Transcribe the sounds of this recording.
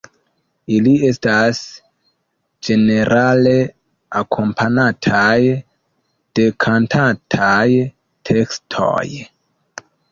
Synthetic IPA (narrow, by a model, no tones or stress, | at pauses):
ilie̞stas | d͡ʒe̞ne̞ɾʔale | akʰo̞mpʰanatʰaj | d̥e̞kʰantʰatʰaj | tʰe̞kstʰo̰j